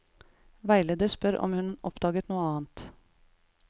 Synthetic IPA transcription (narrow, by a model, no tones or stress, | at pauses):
ʋæɪleːd̪əɾspœɾʔɔ̰mhʉnʔɔ̰pd̪ɑːɡət̪nuːəɑːnt̪